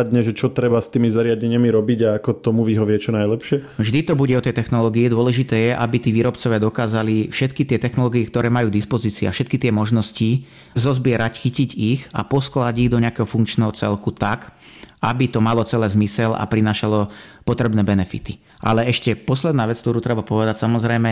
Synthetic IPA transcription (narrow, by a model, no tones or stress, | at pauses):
d̪ɲɛʒɛt͡ʃɔt̪ɾɛbast̪iːmizaɾɪaɟɛɲɪamiɾɔbiɟaakɔt̪ɔmuʋiɦɔʋɪɛt͡ʃɔnajlɛpʃɪɛvʒd̪it̪ɔbuɟɛɔt̪ɛjt̪ɛxnɔlɔːɡiid̪ʊɔlɛʒit̪ɛːjɛʔabit̪iːʋiːɾɔpt͡sɔʋɪad̪ɔkaːzalifʃɛt̪kit̪ɪɛt̪ɛxnɔlɔːɡiikt̪ɔɾɛːmajuːd̪ispɔziːt͡sia̰fʃɛt̪̚kit̪ɪɛmɔʒnɔsci | zɔzbɪɛɾacxiciɟixa̰pɔsklaɟiɣd̪ɔɲɛakɛːɦɔfuŋkt͡ʃnɛːɦɔt͡sɛ̰lkut̪akabit̪ɔmalɔt͡sɛlɛːzmisɛla̰pɾinaːʃalɔpɔt̪ɾɛbnɛːbɛnɛfḭt̪i̥ | ʔa̰lɛɛʃcɛpɔslɛd̪naːʋɛt͡skt̪ɔɾuːt̪ɾɛbapɔʋɛd̪acsamɔzɾɛjmɛ